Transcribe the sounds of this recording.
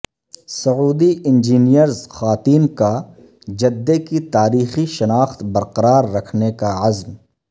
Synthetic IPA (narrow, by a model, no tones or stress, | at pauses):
sɐuːd̪iɪ̃nd͡ʒiːnijəɾzxaːt̪iːnka | d͡ʒɐd̪ːekit̪aːɾiːxiʃɐnaːxt̪bɐɾqɐɾaːɾːɐkʰnekaɐzm